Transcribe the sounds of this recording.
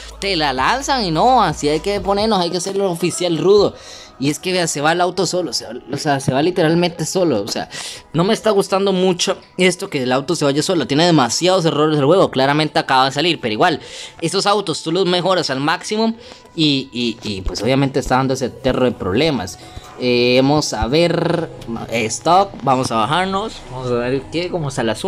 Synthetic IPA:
t̪elalansaŋinoasiajkepo̞ne̞ɾnosajkease̞ɾlofisjalruðo | ie̞ske̞βease̞βalawt̪o̞so̞loseβaosease̞βalit̪e̞ɾalment̪e̞so̞loose̞̰a̰no̞me̞ːst̪aɣust̪and̪o̞mut͡ʃo | e̞st̪okeːlawt̪o̞se̞βaʝaso̞lot̪je̞ne̞ðe̞masjað̞os̬e̞ro̞ɾezelxwe̞ɣo̞klaɾament̪e̞akaβaðes̬aliɾpe̞ɾoiɣwale̞sosawt̪ost̪ulo̞zme̞xo̞ɾasalmaksimom | iiːpwe̞so̞βjament̪eːst̪aðand̪oset̪eroðepɾoβle̞ma̰s | eemosaβe̞ɾ | est̪okbamosaβaxaɾno̞sbaosaβeɾkekomoesalas

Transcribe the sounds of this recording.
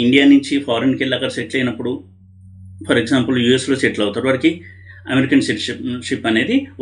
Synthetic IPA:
iɳɖijaːniɲt͡ʃipʰaːɾenkilːaːkɐɾseʈlɐjinɐpːuɽu | pʰɐɾeɡsaːmpɐljuːesloːseʈlɐwt̪aːɾuʋɐɾɐki | ɐmeɾikɐnsiʈiʂipːɐne̞ːd̪i

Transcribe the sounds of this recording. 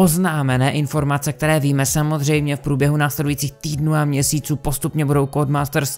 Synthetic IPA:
o̞znaːmɛnɛːʔɪnfo̞ɾmat͡sɛk̚t̪ɛɾɛːviːmɛsamo̞zr̝ɛjmɲɛfpɾuːbjɛɦunaːslɛdujiːt͡siːxt̪iːdnuːamɲɛsiːt͡suːpo̞st̪upɲɛbudo̞wkodmaːst̪ɛɾs

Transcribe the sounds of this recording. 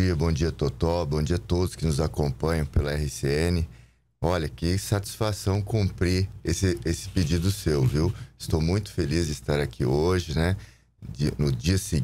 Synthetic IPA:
iɐbõd͡ʒiɐt̪ot̪ɔwbõd͡ʒiɐt̪od̪ʊskɪnʊzakõpɐ̃ɲɐ̃w̃pelɐɛhɪseẽnɪ | ɔʎɐkɪsat͡ʃi̥sfasɐ̃w̃kũmpɾiesɪesɪ̥ped͡ʒid̪ʊsewviwɪst̪owmũj̃t̪ʊ̥felizd͡ʒɪst̪aɾakʰḭoʒɪnɛ | d͡ʒɪnʊd͡ʒiɐsɪ

